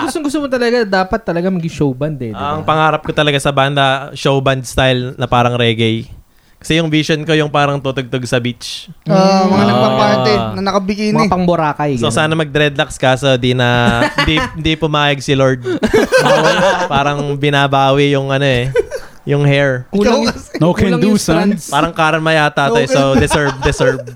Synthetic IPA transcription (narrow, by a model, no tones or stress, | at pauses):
ɡʊst̪oŋɡʊst̪omot̪̬ɐlɐɡad̪aːpɐt̪ːɐlɐɡamɐɡɪʃowbɐnd̪ɛɐŋpɐŋaːɾɐp̚kot̪ɐlɐɡasɐband̪ɐʃowbɐnd̪̚st̪ajlnɐpaːɾɐŋɾɛːɡɛj | kɐ̥sɛjʊŋviʃonko̞jʊŋpaːɾɐŋt̪ut̪oɡ̚t̪oɡsɐbit͡ʃomɐŋanɐpɐpaːt̪ɛnɐnɐkɐbɪkinapɐŋbʊɾaːkɐjsosaːnɐmɐɡ̚d̪ɾɛd̪lakskaːsod̪inɐhɪnd̪ihɪnd̪ipʊmaːjɐɡ̚sɪloɹd̪̚ | paːɾɐŋbɪnabaːwɪjʊŋʔɐno̞ɛ | jʊŋhɛɹulonokʰɛnnusanpaːɾɐŋkaːɾɐnmɐjaɐt̪aːt̪ɐjod̪ɛsɛɹb̚d̪ɛsɛɹb̚